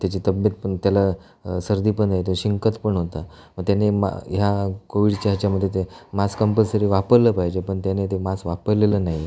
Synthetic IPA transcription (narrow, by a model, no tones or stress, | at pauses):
t̪jat͡ɕit̪əbət̪̚pəɳt̪jala | səɾd̪iːpəɳaɦet̪oɕiŋkət̪pəɳɦot̪a | məɳt̪janema̰jakoʋiɽt͡ɕaɦt͡ɕjaməd̪ʱjet̪emaskəmpəlsəɾiːʋapəɾləpaɦjd͡ʑepəɳt̪janet̪emasʋapəɾlelənaɦi